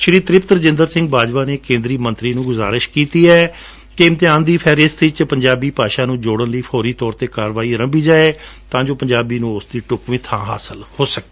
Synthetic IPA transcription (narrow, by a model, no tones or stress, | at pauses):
ʃɾiːt̪ɾɪpt̪ɾəd͡ʒɪ̃nd̪əɾsɪ̃ŋɡ̚baːd͡ʒʋaːneːkẽːnd̪ɾiːmə̃nt̪ɾiːnũːɡʊza̰ːɾɪʃkiːt̪iːɛː | kɪmt̪ɪãːnd̪iːpʰɛːɾɪsɪt͡ʃpəɲd͡ʒaːbiːpaːʃaːnũːd͡ʒoːɽənləiːpʰɔːɾiːt̪ɔːɾt̪eːkaːɾʋaːiːɾə̃mbiːd͡ʒaːeːt̪ãːd͡ʒoːpəɲd͡ʒaːbiːnũːʊsd̪iːʈʊkʋĩːt̪ʰãːɦa̰ːsəlhoːsək̚d̪eː